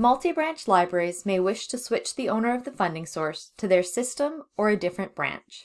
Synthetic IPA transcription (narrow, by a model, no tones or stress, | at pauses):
mʌlˠtibɹæ̃nt͡ʃlaɪbɹɛɹizmeɪwɪʃtʰɨswɪt͡ʃðiõʊ̃nə˞ʌvðɨfʌ̃ndɪ̃ŋsɔɹstʰɨðə˞sɪstə̃mə˞ɨdɪfɹɨ̃nb̥ɹæ̰̃nt͡ʃ